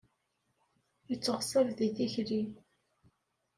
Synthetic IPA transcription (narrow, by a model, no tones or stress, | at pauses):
jət͡sːəʁsəɾðidiçli